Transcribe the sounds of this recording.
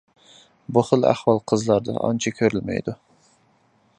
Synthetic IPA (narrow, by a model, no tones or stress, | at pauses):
buχəlæ̰hwɑlˠqʰəzlˠɑɾd̪ɑ̰ʔɑ̰nt͡ʃʰɑkʲʰøɾylmɛ̰jd̪u